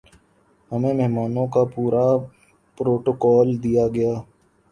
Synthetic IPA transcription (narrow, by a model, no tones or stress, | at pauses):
hɐmẽmɛɦmaːnõkapuːɾa | pɾoːʈokɔːld̪ijaɡɐjaː